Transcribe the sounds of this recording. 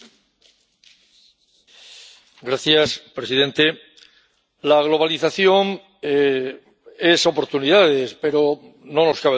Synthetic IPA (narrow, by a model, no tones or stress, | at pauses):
ɡɾaθjaspɾe̞siðẽ̞nt̪e | laɣlo̞β̞aliθaθjo̞ŋ | e | e̞so̞po̞ɾt̪uniðaðe̞spe̞ɾo̞ | no̞no̞skaβe